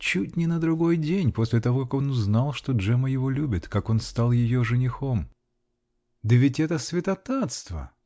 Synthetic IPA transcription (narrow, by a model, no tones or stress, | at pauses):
t͡ɕut̚ʲnʲɪnəd̪ɾʊɡo̞jdʲenʲpo̞sʲlʲɪt̪ɐvo̞kako̞nʊznalˠʂt̪oʐɛməjɪvo̞lʲubʲɪt̪kako̞nst̪alˠjɪjoʐɨnʲɪxo̞m | d̪əvʲɪtʲɛt̪əsvʲɪt̪ɐt̪at̪st̪və̰